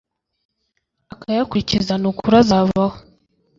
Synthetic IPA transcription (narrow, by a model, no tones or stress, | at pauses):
akajakuɾicizanukʰuɾazaβaho